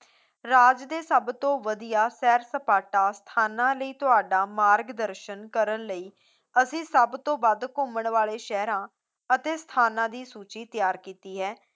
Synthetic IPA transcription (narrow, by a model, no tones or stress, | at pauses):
ɾaːd͡ʒd̪eːsəbt̪õːʋəd̪ijaːsɛːɾsəpaːʈaːst̪ʰaːnãːləiːt̪ʊɦaːɖaːmaːɾɡd̪əɾʃənkəɾənləiː | əsĩːsəbt̪õːbad̪kʊməɳʋaːleːʃɛːɾãː | ət̪eːst̪ʰaːnãːd̪iːsuːt͡ʃiːt̪jaːɾkiːt̪iːɦɛː